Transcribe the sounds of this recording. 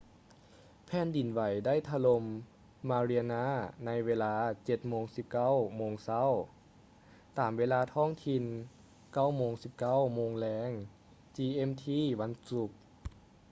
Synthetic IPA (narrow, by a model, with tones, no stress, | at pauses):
pʰɛː˧˥˨ndi˨˩nʋa˨˩jda˥˨jt̪ʰa˧lo˧mː | aː˧ɾi˧a˧naː˧˥˨na˧˥jʋeː˧˥laː˧t͡ɕe˧˩t̪̚moː˧˥ŋsi˧˦p̚ka˥˨wmoː˧ŋsa˧˥˨w | t̪aː˨˩mʋeː˧laː˧t̪ʰɔː˧˥˨ŋt̪ʰi˧n | ka˥˩wmoː˧ŋsi˧˦p̚ka˥˨wmoː˧ŋlɛː˧˥ŋ | t͡ɕiː˧ʔe˧˥mt̪ʰiː˧˥˩ʋa˧˥nsu˧˦k̚